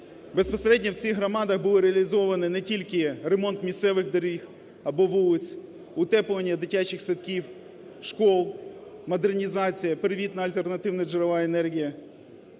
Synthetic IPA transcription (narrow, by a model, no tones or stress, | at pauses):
bespɐseɾɛdʲnɐwt͡sʲixɦɾɔmɑd̪ɐxbuʊlˠɪɾeɐlʲizɔʋɐnɪnɛtʲilʲkɪɾemɔnt̪mʲist̪sɛʋɪxd̪ɐɾʲix | ɐbɔʋulˠɪt͡sʲ | ʊt̪ɛpʊʋɐnʲːɐd̪ɪtʲat͡ʃɪxsɐt̪kʲiw | ʃkɔlˠmɐd̪ernʲizɑt͡sʲijɐpeɾɪʋʲit̪nɐɐlʲt̪e̞rnɐt̪ɪwnɐd͡ʒɪɾɔʋɑenɛrɦʲijɐ